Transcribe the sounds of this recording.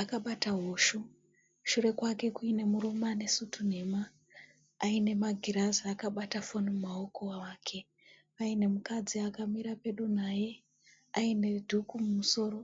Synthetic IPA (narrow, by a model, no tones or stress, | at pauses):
akaɓataɦoʃu | ʃure̞kwake̞kuine̞muɾumane̞sutʰun̤e̞maː | ine̞maɡʱiɾazaakaɓatafonimmao̞koaʋaːkʰe̞ | aine̞mukad͡ziakamiɾape̞ɗunaje̞ | aine̞dʱukumumuso̞ːro̞